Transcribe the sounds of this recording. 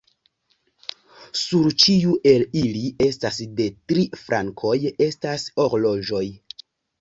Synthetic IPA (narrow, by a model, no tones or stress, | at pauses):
suɾt͡ʃiuʔe̞lilie̞stasde̞tɾifɾʔaŋkʰo̞je̞staso̞ɾlo̞d͡ʒo̞j